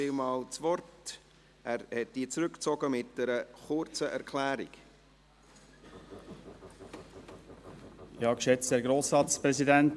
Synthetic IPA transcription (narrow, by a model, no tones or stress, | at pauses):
ɪlmɑːlt͡sʋɔrt | ʔæːɾhɛt̚d̥iːt͡sɾʉkt͡sɔɡ̥əmɪt̚d̥ɛɾəχʊɾt͡səʔæɾkʰlæːɾik | jɑːkʃɛt͡stɛɡɾoːsɑt͡spɾɛzidænt